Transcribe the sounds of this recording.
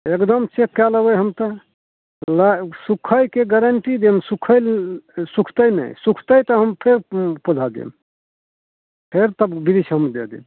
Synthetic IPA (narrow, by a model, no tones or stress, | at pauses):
ekd̪əmt͡ʃekːɛləbəjɦəmt̪ə | lasukʰəjkeɡəɾəɳʈid̪emsukʰəlsukʰt̪əjnə̰jsukʰt̪əjt̪əɦəmpʰeɾpudʱad̪ḭm | pʰeɾt̪əbbid̪isʰɦəmd̪ḛd̪ḭm